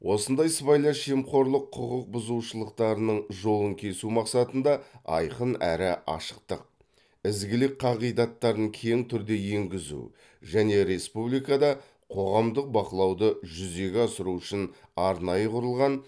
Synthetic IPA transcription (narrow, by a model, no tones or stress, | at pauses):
wʔo̞sənd̪ɑjsəbɑjlˠɑʃʒemqo̞ɾlˠəqʰːʊʁəq̚bʊzuʃəlˠəqt̪ɑɾənəɴʒo̞lˠəŋkʲʰe̞sumɑqsɑt̪ənd̪ɑɑ̰jqənæɾɪʔɑ̰ʃə̥q̚t̪əq̚ | ɪzɡʲɪlɪk̚ʲqʰɑʁijd̪ɑt̪ːɑɾəŋkʲʰe̞ŋt̪ʰʏɾd̪e̞jeŋɡʲɪzṵ | ʒæne̞ɾe̞spublˠijkɑd̪ɑ | qʰo̞ʁɑmd̪əq̚bɑqəlˠɑwd̪əʒʏze̞ɡʲeɑsəɾuʏʃɪn | ɑɾnɑjəqʰʊɾəlˠʁɑn